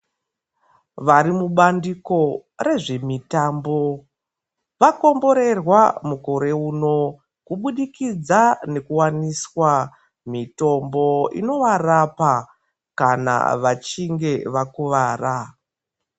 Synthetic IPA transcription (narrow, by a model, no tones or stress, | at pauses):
ʋaɾimuɓandiko̞re̞ʐe̞mitaːmbo̞ | ʋako̞mbo̞ɾe̞rwamukoɾe̞uːno̞ | kuɓuɗikid͡zane̞kuwaniswa | mito̞mbo̞ḭno̞ʋarapa | kana̰ʋat͡ʃiŋɡe̞ʋakuʋaːra